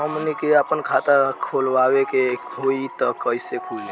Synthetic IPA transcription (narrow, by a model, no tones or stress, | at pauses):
ɦəmnikeəpənkʰat̪əkʰolʋawekekʰoit̪ɔkəjsekʰuli